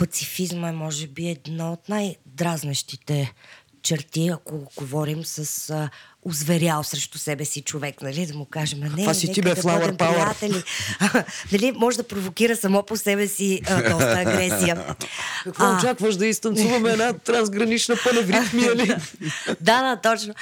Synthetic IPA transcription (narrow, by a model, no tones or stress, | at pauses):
pɐt̪sifizməɛmɔʒɛbiɛd̪naot̪najd̪ɾaznɐʃt̪it̪ɛ | t͡ʃɛɾt̪iɐkoɡovɔɾimsɐs | ʊzvɛɾʲjalˠsɾɛʃt̪usɛbɛsit͡ʃovɛknɐlid̪ɐmʊkaʒɛmɐnɛasiɛt̪ikbɛd̪ɐflˠaɔd̪ɾɛmpaəɾat̪ɛli | nɐlimɔʒɛd̪ɐpɾovokiɾəsɐmɔposɛbɛsiəd̪ɔəːɡɾɾɛsijəkɐkvɔt͡ʃakvəʃd̪ɐist̪ɐnsuvɐmɛɛnat̪ɾɐnzɡɾɐnit͡ʃnəpəlɛvɾit̪mili | d̪ad̪at̪ɔt͡ʃno